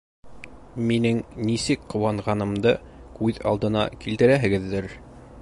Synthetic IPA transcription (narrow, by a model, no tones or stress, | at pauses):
minɘŋnisɘkqŏwɑɴʁɑnɤ̆md̪ɤ | kʉðɑ̰lˠd̪ɤ̆nɑ̰kilt̪ɘ̆ɾæɦɘ̆ɡɘ̆ðːɘɾ